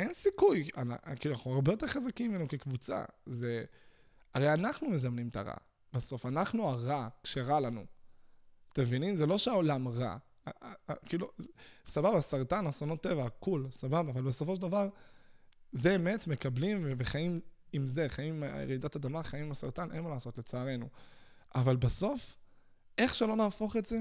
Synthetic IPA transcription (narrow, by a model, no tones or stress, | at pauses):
ʔe̞nsikuja̰nakiːluanaχnuaʁbejo̞t̪e̞ʁχazakimimenukekvut͡sa̰ze | aʁejanaχnumezamnimta̰ʁa̰ | b̥aso̞fanaχnuaʁakʃeʁalanṵ | t̪emevinimzelo̞ʃeao̞lamʁa̰ | kiːlusababasaʁt̪anasonot̪ːe̞vakulsababaːvalbe̞so̞fo̞ʃ̬d̪avaʁ | zeːme̞tme̞kablimveχaimimze̞χaḭḛʁid̪atad̪amaχaimimasaʁtanʔe̞̰nmalaːso̞t̪le̞t͡saːʁe̞nuʔavalbaso̞f | e̞χʃelo̞naːfo̞χetze